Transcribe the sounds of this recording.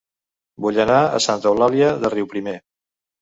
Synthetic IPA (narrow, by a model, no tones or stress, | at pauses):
buʎənaə̰sant̪əwlaliəðəriwpɾime